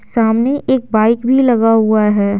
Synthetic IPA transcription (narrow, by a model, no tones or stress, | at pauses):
saːmneʔeːk̚baːɪkbʱilɐɡaɦʊaɦɛː